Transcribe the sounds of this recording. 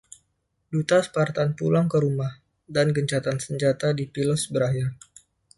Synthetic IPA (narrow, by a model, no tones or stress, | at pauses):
dut̪aspart̪anpulaŋkəɾumah | danɡəɲt͡ʃat̪ansəɲd͡ʒat̪adipilɔsbəɾaɦɪr